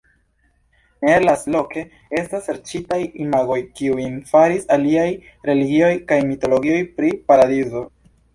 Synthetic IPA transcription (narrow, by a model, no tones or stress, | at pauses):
nelaslo̞kʰe̞ | e̞staseɾt͡ʃitajimaɡo̞jkiuinfaɾisaliaj | ɾe̞liɡio̞jkajmito̞lo̞ɡio̞jpɾipaɾadizo̞